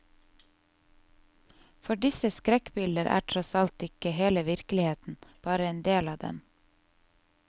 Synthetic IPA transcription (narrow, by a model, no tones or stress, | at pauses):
fɔɖɪsəskɾɛkbɪld̪əɾʔæ̰ːʈʰɾɔsɑlt̪ɪkəheːləʋɪɾklɪheːt̪n̩b̥ɑːɾəeːnd̪eːlɑːd̪ɛ̰n